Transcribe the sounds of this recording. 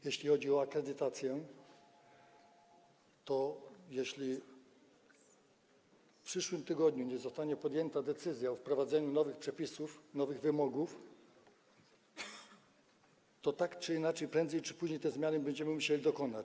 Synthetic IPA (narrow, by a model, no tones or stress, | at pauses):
jɛɕlʲixɔd͡ʑiɔakɾɛd̪ɘt̪at̪sʲjɛ | t̪ɔjɛɕlʲi | fpʂɘʂwɘmt̪ɘɡɔd̪ɲuɲɛzɔst̪aɲɛpɔd̪jɛnt̪ad̪ɛt̪sɘzʲjafpɾɔvad̪zɛɲunɔvɘxpʂɛpʲisufnɔvɘɣvɘmɔɡuf | t̪ɔt̪akt͡ʂɘinat͡ʂɛjpɾɛndzɛjt͡ʂɘ̥puʑɲejt̪ɛzmʲjanɘbɛɲd͡ʑɛmɘmuɕelʲid̪ɔkɔnat͡ɕ